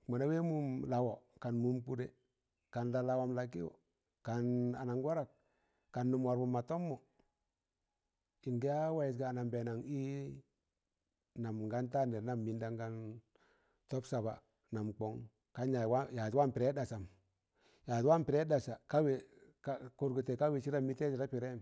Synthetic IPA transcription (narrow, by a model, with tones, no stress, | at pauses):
ma˨na˦we˦mu˦mla˨wo˨ka˨nmu˦mku˦ɾe˨ | ka˨nla˨la˨wa˨˦mla˨ki˦o̰˨ | ka˨na˨na˨ŋɡwa˦ɾa˨k̚ | ka˨nːu˨mwa˨ɾbu˨mːa˨to˦mːɔ˨ | i˨ŋɡi˦ja˦wa˦ji˨t̬ɡa˨na˨mbe˨na˨ŋi˦ | na˨m˨ŋɡa˦nta˦ne˨˦na˨mːi˦nda˦ŋɡa˦n | tɔ˦psa˨ba̰˨ | na˨mk͡pɔ˨˦ŋ | ka˦ɲa˨wa˦ja˨ta˦mpi˨ɾe˦da˨sa˨m | ja˨twa˦mpi˨ɾe˦da˨sa˨ka˦we˨kko˦ɾɡu˨te˨ka˦we˨t͡ʃi˦ɾa˦mi˦te˦t͡ʃi˨ɾa˦pi˨ɾe˦m